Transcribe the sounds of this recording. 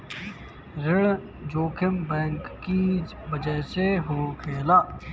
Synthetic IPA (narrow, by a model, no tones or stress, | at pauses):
ɾɪɭ | d͡ʒoːkʰɪmbɛ̃ːŋkːi | ʋəd͡ʒəɦseɦoːkʰeːlaː